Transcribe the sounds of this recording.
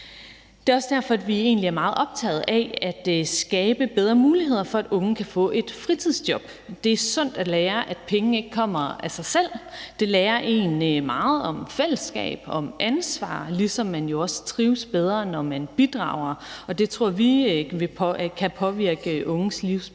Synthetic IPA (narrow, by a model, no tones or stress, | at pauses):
d̥e̝ːɒ̽səd̥æɐ̰fɒ̽æd̥ʋie̝̰ːnliæɐmɑ̈ːð̞̩ˠʔɒ̽b̥t͡sʰɛ̰ːð̩ˠʔææd̥sɡ̥ɛːb̥əb̥eð̞ˠʁɐmuːliɦe̝ð̞̰ˠɐfɒ̽æd̥ɔ̽ŋ̩kʰæfɔ̰̽ʔe̝d̥fʁit͡sʰið̰ˠsd̥jɒ̽b̥ | d̥e̝æɐsɔ̽n̰d̥æleːɐʔæd̥pʰeŋn̩e̝ɡ̥əkʰɒ̽m̰ɐæsɑ̈ɪsel̰d̥e̝lɛːɐʔe̝̰ːnmɑ̈ːð̞̩ˠɒ̽mfel̰əsɡ̥ɛ̰ːb̥ɒ̽mʔænsʋɑ̰̈ːlisɒ̽mːænjo̝ɒ̽st͡sʰʁiːʊsb̥eð̞ˠʁɐːnɒmænb̥id̥ʁɑ̰̈ʊ̰ɐɒ̽d̥e̝t͡sʰʁo̝ɐ̰ʋiʋe̝kʰæpʰɒ̽ʋiɐɡ̥əʔɔ̽ŋsliʊs